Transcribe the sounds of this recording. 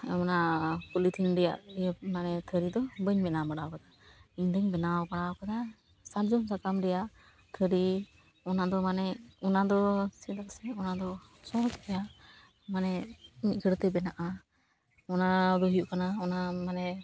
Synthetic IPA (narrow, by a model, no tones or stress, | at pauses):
ɔnakulit̪ʰiŋɖɛja̰ʔmanɛt̪ʰəɾid̪ɔbəɲbɛnamaɽawkad̪aiɲd̪əɲbɛnawbaɽawkad̪a | saɾd͡ʒɔmsakamɖɛjaʔ | t̪ʰəɾi | ɔnad̪ɔmanɛɔnad̪ɔsɛd̪aksɛɔnad̪ɔ | sɔɦɔt͡ʃɛjaʔ | manɛmiɡʰəɽt̪ɛbɛnaʔa | ɔnad̪ɔɦijuʔkanaɔnamanɛ